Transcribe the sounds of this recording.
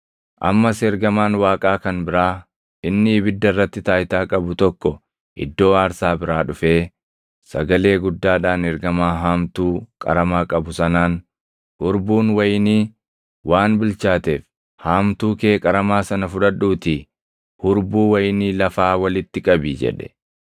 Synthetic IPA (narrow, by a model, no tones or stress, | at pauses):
ʔɐ̰mːɐsɛɾɡɐmaːnwaːkʼaːkɐnbɪɾaː | ʔɪnːɪːbɪd̪ːɐrːɐt̪ːɪt̪aːjt̪aːkʼɐbʊt̪ɔkːɔ | ɪ̰d̪ːo̞ːaːɾsaːbɪɾaːᶑʊfe̞ː | sɐ̰ɡɐle̞ːɡʊd̪ːaːᶑaːnɛɾɡɐmaːɦaːmt̪uːkʼɐ̰ɾɐmaːkʼɐbʊsɐnaːn | hʊɾbuːnwɐjniː | wʔaːnbɪlt͡ʃaːt̪eːf | haːmt̪uːkeːkʼɐɾɐmaːsɐnɐfʊᶑɐᶑːuːt̪i | hʊɾbuːwɐjniːlɐfaːwɐlɪt̪ːɪkʼɐbiːd͡ʒɛ̰ᶑɛ̥̰